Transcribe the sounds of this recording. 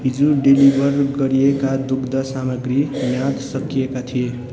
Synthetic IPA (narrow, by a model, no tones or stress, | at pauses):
ɦid͡ʒuɖilibʱəɾɡʌɾiekad̪ukʰd̪ʌsaməɡɾinjad̪sʌkiekat̪ʰije